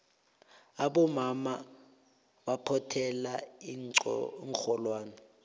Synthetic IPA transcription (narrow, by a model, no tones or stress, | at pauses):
aɓɔmama | ɓapʰɔtʰɛla | ŋxɔlwaːnɛ